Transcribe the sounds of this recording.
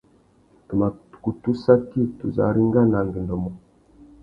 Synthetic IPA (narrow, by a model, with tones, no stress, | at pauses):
tə˨ma˨tku˨tu˦sa˦ki˦˨tu˨za̰˨ɾi˦ŋ˦ɡa˦na˨ŋɡə˨ndo˨mo˨